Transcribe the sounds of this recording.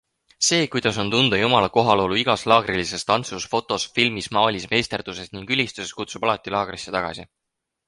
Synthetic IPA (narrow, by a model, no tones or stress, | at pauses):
se̞ːkujd̪̥ɑso̞nt̪und̪̥ɑjumɑlɑko̞ɦɑlo̞luiɡ̥ɑslɑːɡ̥rilise̞st̪ɑnt̪susfo̞t̪ːˑo̞sfilmismɑːlʲisme̞ːst̪erd̪̥use̞sniŋɡ̥ylʲist̪use̞skut̪sub̥ɑlɑt̪ːˑilɑːɡ̥resːet̪ɑɡ̥ɑ̰si